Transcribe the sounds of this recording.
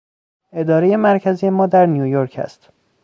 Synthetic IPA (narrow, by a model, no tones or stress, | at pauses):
e̞d̪ɒːɾeje̞mæɾcʰæzije̞mɒːd̪æɾnijujoɾcʰæ̰st̪